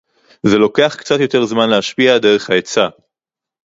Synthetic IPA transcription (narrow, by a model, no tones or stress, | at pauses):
ze̞lo̞ke̞aχkt͡sat̪jo̞t̪e̞ʁzmanleaʃpiade̞ʁe̞χhaet͡sa